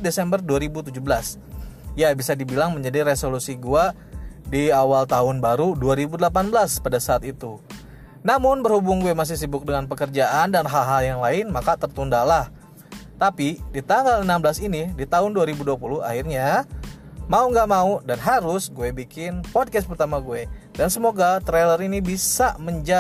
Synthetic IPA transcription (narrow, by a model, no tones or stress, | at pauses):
desɛmbərduaɾibut̪ud͡ʒubəlas | jabisadibilaŋməɲd͡ʒadiresolusiɡua | diawalt̪aɦʊnbaɾuduaɾibudəlapanbəlaspadasaːt̪it̪u | namʊnbərhubʊŋɡuɛmas̬ɪhsibʊk̚dəŋanpəkərd͡ʒaʔandanɦalɦaljaŋlaɪnmakat̪ərt̪undalah | t̪apidit̪aŋɡalənamblasinidit̪aɦʊnduaɾibuduapulʊha̰ɦirɲa | mauŋɡaʔmaudanɦaɾʊsɡuebikɪnpɔd̚kɛs̚pərt̪amaɡuedansəmoɡat̪ɾeləɾinibisaməɲd͡ʒa